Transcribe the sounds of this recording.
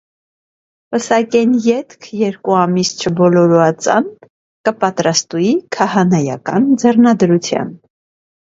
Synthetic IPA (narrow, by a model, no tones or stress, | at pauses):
pəsɑkɛnjɛt̪kʰjɛɾkuɑmist͡ʃʰəbɔlɔɾuɑt͡sɑ̰n | kəpɑt̪ɾɑst̪uikʰɑhɑnɑjɑ̰kɑnd͡zɛrnɑd̪ɾut͡sʰjɑ̰n